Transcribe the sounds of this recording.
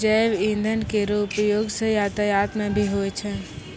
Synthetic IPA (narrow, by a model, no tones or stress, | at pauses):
d͡ʒəjbĩnd̪ʱənkeɾupjoɡsə̃jat̪əjat̪mẽbʱiɦojt͡ʃʰɛ